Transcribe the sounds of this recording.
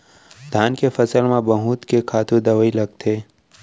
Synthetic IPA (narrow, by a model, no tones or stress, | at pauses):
d̪ʱaːnkefɐsəlmãbɐɦũːt̪kekʰaːt̪ud̪ɐwəilɐɡt̪ʰeː